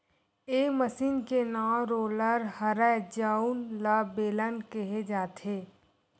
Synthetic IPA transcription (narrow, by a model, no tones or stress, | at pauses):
eːməsiːnkenaːɾoːləɾhəɾəd͡ʒaːunlabeːlənkeɦed͡ʒaːt̪ʰeː